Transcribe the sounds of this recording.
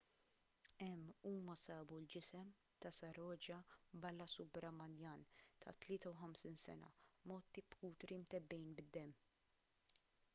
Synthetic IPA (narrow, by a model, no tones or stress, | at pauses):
ɛmːuːmɐsɐːbuld͡ʒɪsɛm | t̪ɐsɐɾɔːd͡ʒɐbɐlːɐsʊbɾɐmɐljɐːnt̪ʰɐ̰t̪lɪːt̪ɐwħɐmsiːnsɛ̰nɐ̰mɔːt̪ːipkuːt̪ɾimt̪ɛbːɛjnbɪd̪ːɛmː